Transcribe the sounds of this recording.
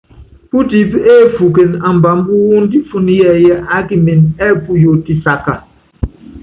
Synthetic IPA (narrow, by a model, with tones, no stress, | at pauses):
pu˦ti˨˦pe˦˨fu˨ke˨na˨m̩˨ba˨˦m̩˦bu˦wu˦n̩˦di˦fu˦n˦jɛ˦˨jɛ˦ʔa˦ki˦mi˨nɛ˦˨pu˦jo˨ti˦sa˨ka˨